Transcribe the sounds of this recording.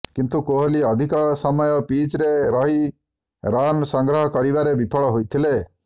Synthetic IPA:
kint̪ukoɦoliɔd̪ʱikɔsɔmɔjɔpit͡ʃɾeɾɔɦi | ɾanɔsɔŋɡɾɔɦɔkɔɾibaɾebipʰɔɭɔɦojt̪ʰile

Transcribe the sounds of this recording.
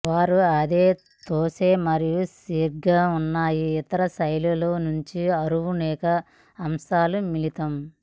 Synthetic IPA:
ʋaːɾuɐd̪e̞ː | t̪oːseːmɐɾijusiːɾɡaːunːaːjiːt̪ɐɾɐsɐjluloːnuɲt͡ʃiɐɾuwunɛːkɐː | msaːlumilit̪ɐm

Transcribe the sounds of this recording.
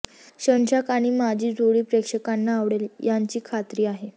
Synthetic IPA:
ɕənɕakaɽ̃imad͡ʑʱiːd͡zoɽiːpɾekʂəkanːaːʋɽeljaɲt͡ɕiːkʰat̪ɾiːaɦe

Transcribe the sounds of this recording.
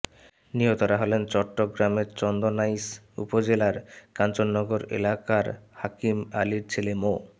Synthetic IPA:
niɦot̪ɔɾaɦɔlent͡ɕɔʈːoɡɾameɾt͡ɕɔnd̪onajs | ṵpod͡ʑelaɾkant͡ɕonːɔɡoɾḛlakaɾhakimaliɾt͡ɕʰelemo

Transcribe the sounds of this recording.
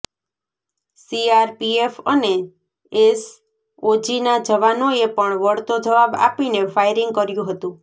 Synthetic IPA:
siaɾpiefəne | es | od͡ʒinad͡ʒəʋanoepəɳʋəɽt̪od͡ʒəʋaba̰pinefajɾɪŋɡ̚kəɾjũɦət̪ũ

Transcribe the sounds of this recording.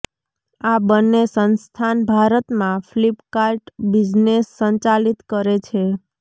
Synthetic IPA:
abənːesənst̪ʰanbʱaɾət̪mãflipkaɾʈbid͡ʒnesːəɲt͡ʃalit̪kəɾet͡ʃʰe

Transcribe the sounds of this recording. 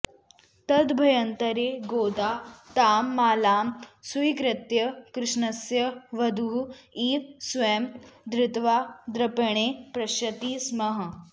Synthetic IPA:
t̪ɐd̪bʱɐjɐnt̪ɐɾeːɡoːd̪aːt̪aːmːaːlaːmsujkɾɐt̪jɐkɾɪʂɳɐsjɐʋɐd̪ʱuɦuiːʋsʋemd̪ɾɪt̪ʋaːd̪ɾɐpeɳ̃eːpɾɐɕɐt̪iːsmɐɦə

